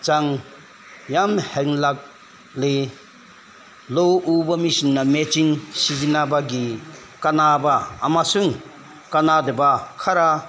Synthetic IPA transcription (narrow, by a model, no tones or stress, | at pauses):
t͡ʃaŋ | jamheŋlak̚ | le | lowubamisinːamet͡ʃiŋsizinabaɡi | kanabaːmasuŋ | kanadebakʰaɾa